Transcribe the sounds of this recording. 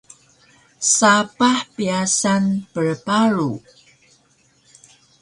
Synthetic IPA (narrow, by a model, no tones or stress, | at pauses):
sapaħpiasanpəɭpaɾu